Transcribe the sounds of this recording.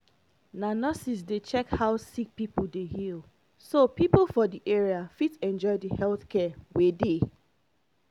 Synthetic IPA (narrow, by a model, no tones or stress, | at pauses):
nanɔsis̬det͡ʃɛkhaʊsik̚pipl̩ˠdehil | sopiplfɔdiʔeɹiafitɛ̃nd͡ʒɔɪdihɛlθkʰɛwede